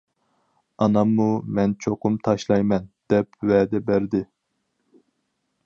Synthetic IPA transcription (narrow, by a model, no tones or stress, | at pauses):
ɑnɑmːumɛnt͡ʃʰoqʊmt̪ʰɑʃlˠɑjmɛnd̪̥ɛpwɛd̪ɛbæɾd̪ɪ